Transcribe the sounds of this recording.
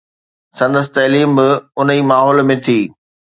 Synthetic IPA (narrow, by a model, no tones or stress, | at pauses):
sɐ̃nd̪əs̬ɪ̆t̪ɐɦliːmbɪʊniːmaːɦɔːlmẽt̪ʰiː